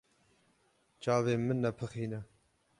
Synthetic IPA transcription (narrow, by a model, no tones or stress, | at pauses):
t͡ʃɑːveːmɨnːɛpʰɨxiːnɛ